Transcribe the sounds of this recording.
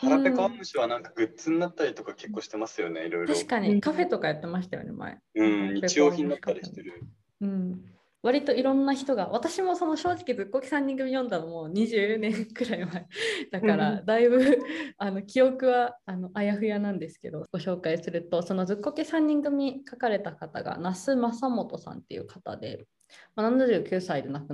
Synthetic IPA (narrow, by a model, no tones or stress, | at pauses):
haɾãpekamɯɕiβanãŋkḁɡɯ̟t͡sɨnːat̪ːaɾʲit̪o̞kake̞kːoːɕi̥t̪e̞masɨjo̞ne̞iɾojɾaoɕi̥kaɲ̟ikaɸe̞t̪o̞kajat̪ːe̞maɕi̥t̪ajo̰ne̞̰ma̰ḛɯ̟̃iet͡ɕijoːçĩnd̪atkaːaɾʲi̥t̪eɾɯ | ɯ̟̃ɴ | βaɾʲit̪o̞iɾõ̞nːaçi̥t̪o̞ɡaβat̪aɕimo̞so̞no̞ɕo̞ːʑikʲid͡zɨkːokʲi̥sãɲ̟ːĩŋɡɯ̟mʲijõ̞nd̪anomo̞ːɲ̟iʑɨːnẽ̞ŋkɯ̟ɾaimaed̪akaɾad̪aibɯ̟ano̞kʲijo̞kɯ̟βaːno̞ʔajaɸɯ̟janãnd̪e̞sɨ̥ke̞d̪o̞ɡ̥o̞ɕo̞ːkaisɨɾɯ̟t̪o̞so̞no̞d͡zɨkːo̞kʲisãɲ̟ːĩŋɡɯ̟m̟ʲikakaɾe̞t̪akat̪a̰ɡa̰nasɨmasamo̞t̪o̞sã̰nt̪ːe̞̰jɯ̟̰kʰḁt̪a̰d̪e̞̰ | manãnd̪aʑɯkʲɯːsaid̪e̞nakɯ